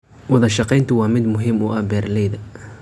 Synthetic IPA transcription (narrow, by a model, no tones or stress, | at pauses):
wɑðɐʃɑqɛjnt̪ʰʊwɑːmɪd̪mʊɦɪmʊʔɐhbɛːrlɛjðɐ